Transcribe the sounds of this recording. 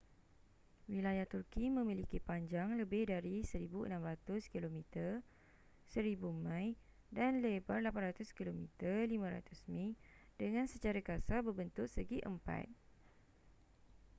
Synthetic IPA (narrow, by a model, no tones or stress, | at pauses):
wilajaht̪urkimə̃mĩlikipaɲd͡ʒaŋləbɪhdaɾisəɾibuə̰nãmɾat̪ʊskilomĩt̪ər | səɾibumãj | danlebərlapanɾat̪ʊskilomĩt̪ərlimãɾa̰t̪ʊsmĩŋdəŋãnsət͡ʃaɾakasabərbənt̪ʊʔsəɡiʔə̰mpa̰t̪̚